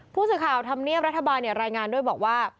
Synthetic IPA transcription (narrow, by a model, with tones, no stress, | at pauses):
pʰuː˥˩sɯː˨˩kʰaː˨˩wt̪ʰa˧mni˥˩əpɾa˦˥t̪ʰːa˧baː˧nːi˥˩ɾaː˧jŋaː˧ndu˥˩əjbɔː˨˩k̚waː˥˩